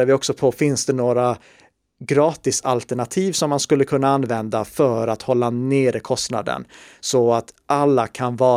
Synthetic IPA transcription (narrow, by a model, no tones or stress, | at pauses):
aɾvɪɔksɔpʰɔfɪnsd̪ɛnoːɾa | ɡɾɑːt̪ɪsa̰lt̪ɛɳat̪ʰiːvsɔmːanskɵlːəkʰɵnːaanːvɛnd̪afœɾat̪hɔlːaneːɾɪkʰɔst̪na̰d̪ə̰nsɔat̪ʔalːakʰanvɑː